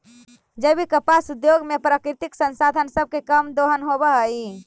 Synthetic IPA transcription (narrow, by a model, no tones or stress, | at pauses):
d͡ʒəbʱikəpasud̪joɡmepɾakɾit̪iksə̃nsad̪ʱənsəb̚ʱkekəmd̪oɦənɦobəɦəi